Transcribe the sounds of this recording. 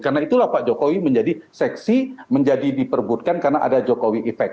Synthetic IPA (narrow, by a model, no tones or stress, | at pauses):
karnait̪ulahpaʔd͡ʒokowiməɲd͡ʒadisɛksiməɲd͡ʒadidipərbut̪̚kankarnaʔa̰dad͡ʒokowiʔefɛk̚